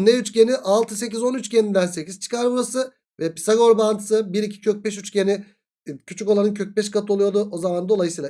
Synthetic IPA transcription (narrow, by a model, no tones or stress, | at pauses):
nːɛyt͡ʃce̞niʔalˠt̪ʰɯse̞cizo̞nyt͡ʃɟenind̪ænse̞ciz̥t͡ʃʰɯ̥kʰaɾmasɯ | vɛpi̥saɡo̞ɾbant̪ʰɯ̥sɯbiɾicʰi̥cʰøc̚bɛʃyt͡ʃceni | cʰyt͡ʃʰyko̞lˠanɯncʰøc̚bɛʃ̬kat̪ʰɯo̞lˠujo̞ɾd̪uo̞zamand̪o̞lˠajɯsiːlˠa